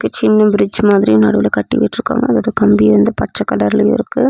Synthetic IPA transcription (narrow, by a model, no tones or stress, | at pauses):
kːɯt͡ʃɪnːɐbɪɾɪd͡ʒmaːðɪɾijnɐɽɯʋɪlɐkɐʈːḭʋɐ̰ʈːɾɯkːa̰ːŋɡɐːðaːɐðɯkɐmbijɐɾɐnd̪ɯpɐʈt͡ʃːɐkːɐlɐɾɪlɐɪ̰ɾɯkːɯ